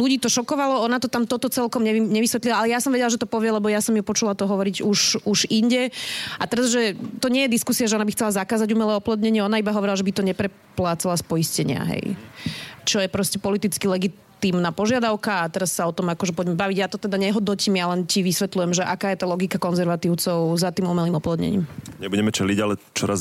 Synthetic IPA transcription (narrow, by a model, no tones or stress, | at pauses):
luɟiːt̪ɔʃɔkɔʋalɔɔnat̪ɔt̪amt̪ɔt̪ɔt͡sɛlkɔmɲɛiɲɛʋisʋɛt̪lilaalɛjasɔmʋɛɟɛlaʒɛt̪ɔpɔʋɪɛlɛbɔjasɔmjupɔt͡ʃulat̪ɔɦɔʋɔɾiɟuʃuʒiɲɟɛʔat̪ɛɾazʒɛt̪ɔɲɪɛjɛd̪iskusiaʒɛɔnabixt͡sɛlazakaːzaɟumɛlɛːɔplɔd̪ɲɛɲɪɛɔnaibaɦɔʋɔɾilaʒɛbit̪ɔɲɛpɾɛ | plaːt͡salaspɔjiscɛɲɪa̰ɦɛ̰j | t͡ʃɔjɛpɾɔscɛpɔlit̪it͡skilɛɡit̪iːmnaːpɔʒɪad̪aʊkaːt̪ɛɾasːaɔt̪ɔmakɔʒɛpɔɟmɛbaʋiɟjat̪ɔt̪ɛd̪aɲɛɦɔd̪nɔciːmjalɛnciʋisʋɛt̪lujɛmʒɛʔakaːjɛt̪aːlɔɡikakɔnzɛɾʋat̪iʊt͡sɔʊzat̪iːmumɛliːmɔplɔd̪ɲɛ̰ɲḭːmɲɛbuɟɛmɛt͡ʃɛliɟalɛt͡ʃɔɾaz